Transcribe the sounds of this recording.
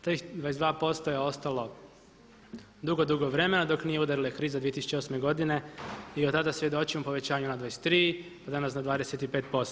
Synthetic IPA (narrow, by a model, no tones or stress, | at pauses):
t̪ixd̪ʋaːjes̬d̪ʋaːpo̞st̪ojeo̞st̪alo̞ | d̪uɡo̞d̪uɡoʋɾe̞me̞nad̪o̞knijeud̪aɾilaekɾiːzad̪iet̪isu̥t͡ɕeo̞sme̞ɡo̞d̪ine̞iot̪ad̪asʋjed̪o̞t͡ʃimopo̞ʋe̞t͡ɕaːɲunad̪ʋajese̥t̪ːɾiːpad̪anas̬nad̪ʋaːd̪eset̪ipe̞ːt̪̚po̞st̪